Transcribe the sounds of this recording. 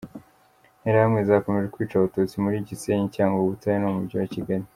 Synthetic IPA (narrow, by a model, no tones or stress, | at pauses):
neɾahamŋezahako̞me̞ʒekwiːt͡ʃaβatot͡simuɾiːɟiseːɲicaːŋɡoβutajenoumuɾɟiwaciɡaɾi